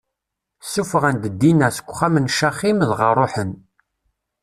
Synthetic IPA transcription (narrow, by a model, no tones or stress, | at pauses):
sːufəʁænd̪əd̪ːinæsə̥kʷːχæmənʃæχimðʁərˤoħən